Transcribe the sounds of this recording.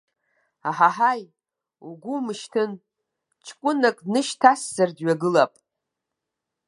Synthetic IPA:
aħaħaj | uɡʷumɨʃtʰɨn | t͡ʃʰkʷʼʊnakʼnɨʃtʰasːardɥaɡɨlapʼ

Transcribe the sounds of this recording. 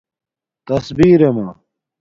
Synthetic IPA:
t̪ɐsbiːɾemaː

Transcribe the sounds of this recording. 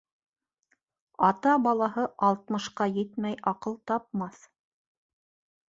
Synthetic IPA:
ɑt̪ɑbɑlˠɑɦɤʔɑlˠt̪mɤ̆ʃqɑjɘt̪mæjʔɑqɤlˠt̪ɑp̚mɑθ

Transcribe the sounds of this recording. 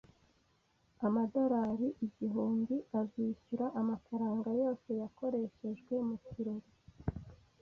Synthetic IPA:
amado̞ɾaɾiʔiɟiɦuːndiaziçuɾaʔamafaɾaːŋɡajo̞ːse̞jako̞ɾe̞ʃe̞ʒɡwe̞muciɾoɾi

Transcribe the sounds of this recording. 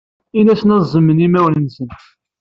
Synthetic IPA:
inæsnɑzˤəmːənimæwlənsən

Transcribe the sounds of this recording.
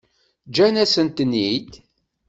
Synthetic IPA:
d͡ʒænæsənt̪nijt̪

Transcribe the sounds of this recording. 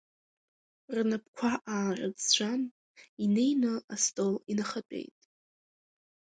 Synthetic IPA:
rnapʰkʷʰaʔaːrɨd͡zt͡ɕʷʰan | ine̞jnɨastʼolinaχatʼe̞̰jtʼ

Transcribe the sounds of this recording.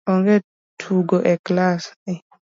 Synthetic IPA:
ɔŋɡɛ | tʰuɡɔʔɛklasɛ

